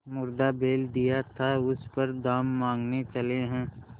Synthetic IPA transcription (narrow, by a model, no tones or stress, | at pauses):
mʊɾd̪abeːld̪ijat̪ʰaʊspəɾd̪aːmːãːŋɡnet͡ʃɐleɦɛ̃ː